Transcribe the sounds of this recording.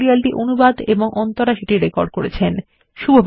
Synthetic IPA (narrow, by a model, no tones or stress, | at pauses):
ɾialʈiʔonubad̪eboŋʔɔnt̪oɾaʃiʈiɾekɔɾɖ̚koɾet͡ɕʰen | ʃubʱab